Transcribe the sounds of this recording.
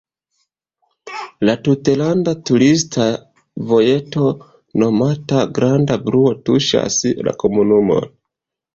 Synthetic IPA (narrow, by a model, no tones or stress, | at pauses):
latutelandatuɾistʰa | vo̞je̞to̞ | no̞mataɡɾandabɾuo̞tuʃa̰sla̰ko̞munumo̞̰n